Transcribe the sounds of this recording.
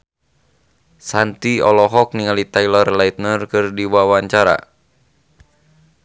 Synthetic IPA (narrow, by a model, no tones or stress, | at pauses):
sant̪iɔlɔɦɔk̚niŋalit̪ailɔrlait̪nərkɨrdiwawaɲt͡ʃaɾa̰